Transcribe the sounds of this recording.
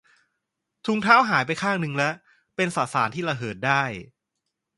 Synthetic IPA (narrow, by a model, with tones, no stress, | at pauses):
t̪ʰu˧ŋt̪ʰaː˦˥˩wɦaː˩˦jpa˧jkʰaː˥˩ŋ̚nɯ˧ŋlɛ˦˥ | pe˧nsaː˨˩saː˩˦nt̪ʰiː˥˩a˧˩ɦɤː˨˩t̪̚daː˥˩j